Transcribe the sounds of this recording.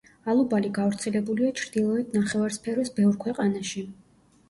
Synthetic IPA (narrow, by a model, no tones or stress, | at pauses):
alˠubaliɡavɾt̪sʰɛlɛbuliat͡ʃʰɾd̪ilˠɔɛd̪naχɛvaɾspʰɛɾɔsbɛvɾkʰwɛqʼanaʃi